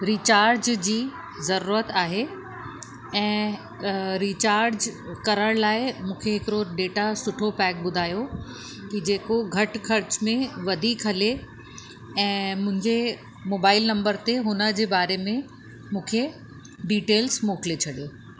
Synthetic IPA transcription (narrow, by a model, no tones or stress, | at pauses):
ɾiːt͡ɕaːɾd͡ʑd͡ʑiː | zɐɾuːɾət̪aːɦe | ɛ̃ː | ɾiːt͡ɕaːɾd͡ʑkɐɾəɽ̃laːɪmũːkʰeɦɪkɾoɖeːʈasʊʈʰopɛːk̚ɓʊd̪ʱaːjo | kid͡ʑeːkoɡʱɐʈkʰɐɾt͡ɕmẽʋɐd̪ʱiːkɦɐle | ɛ̃ːmʊ̃ɦɪ̃ɲd͡ʑe | moːbaːɪlnɐ̃mbəɾt̪eɦʊnə̆d͡ʑeːbaːɾemẽ | mũːkʰe | ɖiːʈeːlzmoːklet͡ɕʰɐɗjoː